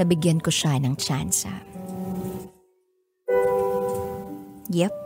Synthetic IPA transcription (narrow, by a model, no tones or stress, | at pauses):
ɐbɪɡjɐnkoʃanɐŋt͡ʃansɐ̰ | jɛp